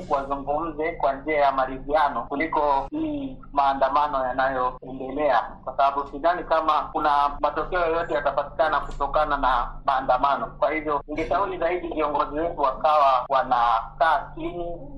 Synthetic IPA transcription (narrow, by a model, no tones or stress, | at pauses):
wazuŋɡum̩zɛkwand͡ʒiajamaɾizianɔkulikɔhi | maːndamanɔjanajɔɛndɛlɛakwasaɓaɓusinanikamakunamatɔkɛɔjɔjɔtɛjatapati̥kanakutɔkananamaːndamanɔkwahivjɔniŋɡɛʃauɾizaiɗiviɔŋɡɔziwɛtuwakawawanakaːt͡ʃini